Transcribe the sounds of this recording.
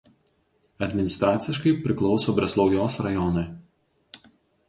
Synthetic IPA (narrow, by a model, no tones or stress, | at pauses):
ɐd̪ʲmʲɪnʲɪst̪ɾɑːt̪sʲɪʃkɐɪpʲɾʲɪklˠɒʊsoːbʲɾʲɛsʲlˠɒʊjoːsɾɐjɔnɐɪ